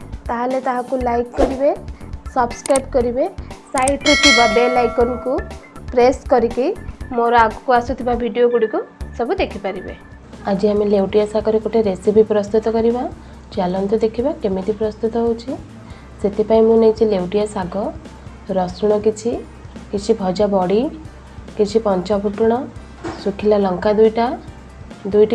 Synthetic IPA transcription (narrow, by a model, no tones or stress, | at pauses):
t̪aɦalet̪aɦãkulajkːɔɾibesɔbskɾajpkɔɾibesajʈuʈ̪ʰibaɖelajkɔnkupɾeskɔɾikimoɾɔaɡɔ̥kuasut̪ʰibabʱiɖijoɡuɽikusɔbud̪ekʰipaɾibḛ | ad͡ʒiamilewʈijasaɡɔɾekoʈʰeɾesipipɾɔst̪ut̪ɔkɔɾiba | t͡ʃalɔnt̪ud̪ekʰibakemit̪ipɾɔst̪ut̪ɔɦowt͡ʃʰi | set̪ʰipaĩmũnejt͡ʃʰilewʈijasaɡɔ | ɾɔsuɽ̃ɔkit͡ʃʰi | kit͡ʃʰibʱɔd͡ʒabɔɽi | kit͡ʃʰipɔnt͡ʃɔbʱuʈuɽ̃ɔ | sukʰilalɔŋkad̪ujʈa | d̪ujʈ